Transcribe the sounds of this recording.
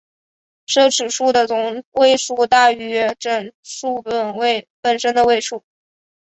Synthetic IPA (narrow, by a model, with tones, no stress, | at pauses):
ʂɤ˥˩ʈ͡ʂʰɻ̩˨˩ʂu˥˩d̪ə˩ʊ˧˥˩ŋwe˥˧ɪʂu˥˧t̪a˥˩y˧˥ʈ͡ʂə˨˩nʂu˥˩pə˩nwe˥˧ɪpə˨˩nʂə˥nd̪ə˨we˥˧ɪʂu˥˩